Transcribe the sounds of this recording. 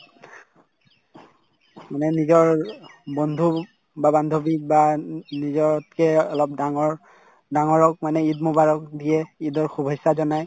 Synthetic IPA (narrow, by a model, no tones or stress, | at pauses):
manɛnizɔɹbɔnd̪ʱu | babandʱobik̚banizɔtkɛɔlɔp̚daŋɔɹ | daŋɔɹɔk̚manɛitmɔbaɹɔk̚dijɛidɔɹxubʱɔjsazɔnaj